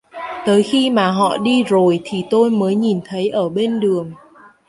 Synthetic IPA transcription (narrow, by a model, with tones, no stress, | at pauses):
t̪əː˨˦jxi˧maː˨˩ɦɔ̰˧˨ɗi˧zo˨˩jt̪ʰi˨˩t̪o˧jməː˨˦jɲi˨˩nt̪ʰə˨˦jʔəː˧˩ɓe˧nɗɨ˨˩əŋ